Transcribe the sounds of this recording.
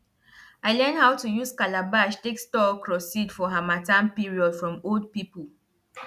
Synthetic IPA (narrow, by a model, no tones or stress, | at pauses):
aɪlɛ̃ndhawtujuzkalabaʃtekstɔkʰɹɔsidfɔɦamatãnpiɹiɔdfɹɔ̃mold̚pipəl